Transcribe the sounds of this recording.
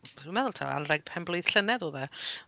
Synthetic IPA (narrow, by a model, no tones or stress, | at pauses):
inmɛðʊlˠtʰa̰a̰nrɛɡ̚pʰɛmblˠʊjð̥ɬənɛðuðɛ